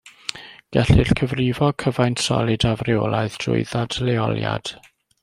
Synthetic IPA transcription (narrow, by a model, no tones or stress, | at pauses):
ɡ̥ɛɬɪɬkʰəvrɪvɔkʰəvajntsɔ̰lˠɨdavrɪolˠaɨðd̥rʊ̰ɨðadlɛɔ̰lˠja̰d̥